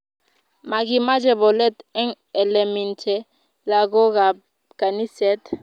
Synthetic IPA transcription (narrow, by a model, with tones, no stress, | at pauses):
ma˨k̬i˦ma˦d͡ʒɛ˨bɔ˨lɛ˦tɛ˦ŋ | ɛ˨lɛ˨mɛ˨ntʰɛ˦ | la˨k̬ɔ˦k̬a˨ | ka˨ni˦sɛ˦t